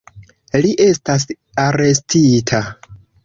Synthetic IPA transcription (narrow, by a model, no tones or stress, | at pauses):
liʔe̞stas̬ | aɾe̞stʰitʰa